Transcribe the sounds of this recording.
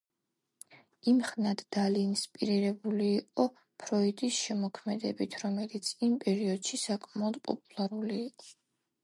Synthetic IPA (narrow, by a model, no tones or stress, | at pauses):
imχnad̪̥d̪̥alinspʼiɾiɾɛbuliːqʼɔ | pʰɾɔid̪ʼisʃɛmɔkʰmɛd̪ɛbit̪ʰɾɔmɛlit̪sʰimpʼɛɾiɔd̪̥ʃisakʼmaɔd̪̚pʼɔ̰pʼulˠaɾuliːqʼɔ̥